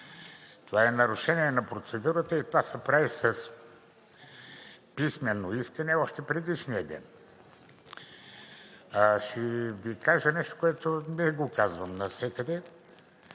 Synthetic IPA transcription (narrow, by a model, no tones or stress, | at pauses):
t̪ovaɛnɐɾʊʃɛniɛnɐpɾot̪sɛd̪uɾət̪əit̪ovasɐpɾavisɐs | pismɛnːoiskənɛɔʃt̪ɛpɾɛd̪iʃnijəd̪ɛ̰n | ʃɛvikaʒənɛʃt̪o̥koɛt̪onɛɡokazvəmnɐsʲɛkəd̪ɛ